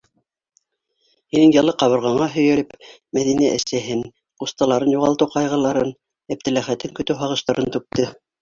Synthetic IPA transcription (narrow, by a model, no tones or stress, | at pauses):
hinɘŋjɑlˠɤqɑβɤ̆ɾʁɑɴɑɦɵ̆jælɘp | mæðinæʔɘ̆sæɦɘn | qust̪ɑlˠɑɾɤnjuʁɑlˠt̪ɤwqɑjʁɤ̆lˠɑɾɤn | æp̚t̪ɘ̆læχæt̪ɘŋkɵ̆t̪ɘwɦɑʁɤ̆ʃt̪ɑɾʔɤnt̪ʉp̚t̪ɘ